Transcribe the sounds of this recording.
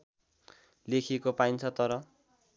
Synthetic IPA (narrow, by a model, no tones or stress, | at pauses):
lekʰikopaint͡sʰʌt̪ʌɾʌ